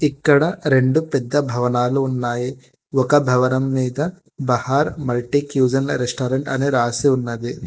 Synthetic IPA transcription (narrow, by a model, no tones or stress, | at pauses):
ikːɐɽɐɾe̞ɳɖupɛd̪ːɐbʱɐʋɐnaːluːnːaːji | ɔkɐbʱɐʋɐnɐmːiːd̪ɐ | bɐhaːɾmɐlʈikjuːd͡ʒɐnɾesʈaːɾeɳʈɐneɾaːsiunːɐd̪i